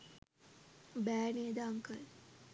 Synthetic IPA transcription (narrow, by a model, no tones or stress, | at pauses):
bæːneːd̪aaŋkəl